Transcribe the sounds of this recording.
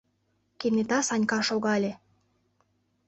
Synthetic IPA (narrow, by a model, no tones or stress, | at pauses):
kenet̪ɑsɑnʲkɑʃoɣɑlʲe